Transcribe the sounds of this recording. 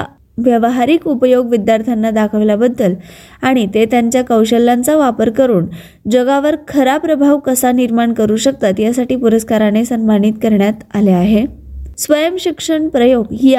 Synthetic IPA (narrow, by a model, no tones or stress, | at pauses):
ʋjəʋɦaɾiːkupəjoɡʋid̪jaɾt̪ʰjanːad̪akʰəʋlabəd̪ːəlaɽ̃it̪et̪jaɲt͡ɕjakəwɕəlːant͡saʋapəɾkəɾuːn | d͡ʑəɡaʋəɾkʰəɾapɾəbʱaʋkəsaniɾmaɳkəɾuːɕək̚t̪at̪jasaʈiːpuɾəskaɾanesənmaniːt̪kəɾɳjat̪aleaɦe | sʋəjəmɕikʂəɳpɾəjoɡɦiː